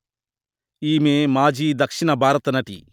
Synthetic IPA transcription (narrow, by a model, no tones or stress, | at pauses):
iːmeːmaːd͡ʒiːd̪ɐkʂiɳɐbʱaːɾɐt̪ɐnɐʈḭ